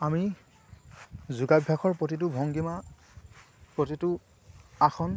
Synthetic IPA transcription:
ami | zuɡabʱjakʰɔɹpotit̬ʊbʱɔŋɡima | pɹotitʊ | axʰɔn

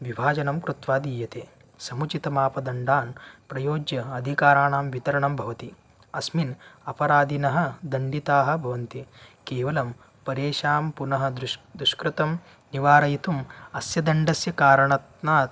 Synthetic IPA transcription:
ʋibʱaːd͡ʒɐnɐmkɾut̪ʋaːd̪iːjɐt̪eː | sɐmut͡ʃit̪ɐmaːpɐd̪ɐɳɖaːnpɾɐjoːd͡ʒjɐɐd̪ʱikaːɾaːɳaːmʋit̪ɐɾɐɳɐmbʱɐʋɐt̪i | ɐsminɐpɐɾaːd̪ʱinɐɦɐ̆d̪ɐɳɖit̪aːɦɐ̆bʱɐʋɐnt̪ikeːʋɐlɐm | pɐɾeːʂaːmpunɐɦɐ̆d̪ɾd̪ɾuʃkɾut̪ɐm | niʋaːɾɐjit̪umɐsjɐd̪ɐɳɖɐsjɐkaːɾɐɳɐt̪naːt̪

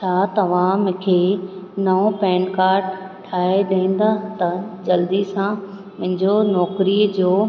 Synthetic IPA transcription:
t͡ɕʰaːt̪ɐʋãːmkʰeːnɐõpɛ̃ːnkaːɾʈ | ʈʰaːeɗẽːn̆d̪aːt̪ɐd͡ʑɐld̪isã | mʊ̃ɦɪ̃ɲd͡ʑonɔːkɾid͡ʑoː

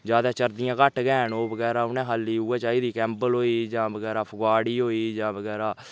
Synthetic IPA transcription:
d͡ʒjaːd̪aːt͡ʃəɾd̪ɪjãːkəʈɡɛːnoːbəɡɛːɾaːʊnɛ̃ːɦaliːuːãːt͡ʃaːiːd̪iːkɛ̃ːmbəlɦoːiːd͡ʒãːbəɡɛːɾaːpʰəɡwaːɽiːɦoːiːd͡ʒãːbəɡɛːɾaː

